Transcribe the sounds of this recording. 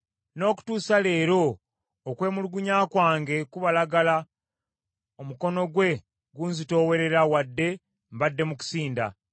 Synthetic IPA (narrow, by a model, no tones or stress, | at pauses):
no̞ːku̥tuːsale̞ːɾo̞ː | kwe̞ːmuluɡuɲaːkwaːŋɡe̞kuβalaɡala | omuko̞no̞ɡwe̞ | ɡuːnzito̞ːwe̞ɾe̞ɾawadːe̞ | m̩badːe̞muku̥siːnda̰